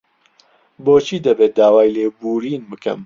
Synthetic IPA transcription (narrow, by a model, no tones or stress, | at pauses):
boːt͡ʃʰiːd̪ɐbeːt̪̚d̪aːwaːjleːbuːɾiːnbɨkɐ̰m